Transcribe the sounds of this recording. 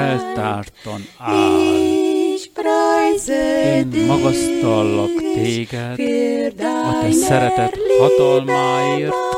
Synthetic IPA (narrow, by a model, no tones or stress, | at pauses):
ɛlt̪aːrt̪onaː | jeːnmɒɡɒst̪ɒlːɒkt̪eːɡɛt̪ː | at̪ɛsɛɾɛt̪ɛt̪hɒt̪ɒlmaːeːrt̪